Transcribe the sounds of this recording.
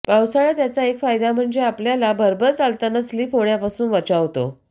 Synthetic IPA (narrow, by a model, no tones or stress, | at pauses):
pawsaɭat̪jat͡saekfajd̪am̤əɳd͡zeapljalabəɾbəɾt͡salt̪anəsliːfoɽjapasuːnʋət͡ɕaʋt̪o̰